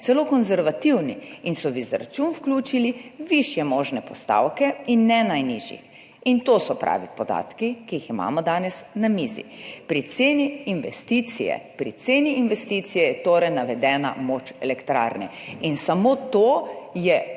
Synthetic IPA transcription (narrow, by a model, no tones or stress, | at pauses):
t̪ɛloːkɔnzɛɾʋat̪iwniinsɔʋiza̰ɾt͡ʃunfklʲuːt͡ʃiliʋiʃjɛmoːʒnɛpɔst̪a̰wkɛinːɛnajniʒḭx | int̪osɔpɾa̰ːʋipɔd̪a̰ːt̪kikijixima̰ːmɔd̪aːnɛsnamiːzḭpɾit̪seːniːnʋɛ̰st̪iːt̪sijɛ̰pɾit̪seːniinʋɛst̪iːt̪sijɛjɛt̪oːɾɛjnaʋɛd̪ɛːna̰moːt͡ʃɛ̰lɛkt̪ɾa̰ːɾnɛ̰insamoːt̪ojɛ